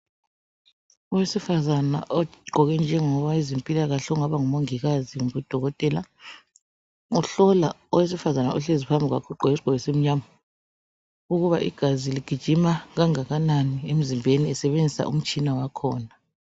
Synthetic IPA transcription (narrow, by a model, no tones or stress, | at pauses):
ɔwesifazana̰ʔɔɡ͡ǃʱɔɣɛnd͡ʒʱɛŋɔβaezempʼilaɣaɬɛuŋaβaŋumoŋiɣaziβud̥ʱɔɣɔtʼɛla | uɬɔla | ɔwes̬ifazanaʔɔɬezipʰambʱiwa̰kʰuǃɔesiɡ͡ǃ̥ʱɔɣɛsem̩ɲama | uɣuβaʔḭɡ̥ʱaziliɡ̥ʱid̥ʒ̥ʱimaɣaŋaɣananiem̩zimbʱeniɛsɛβend͡zʱisa̰ʔṵm̩t͡ʃʼinawakʰɔːna